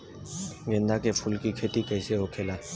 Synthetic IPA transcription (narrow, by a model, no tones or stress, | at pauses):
ŋend̪ʱakepʰʊlkikʰeʈikəseɦokʰela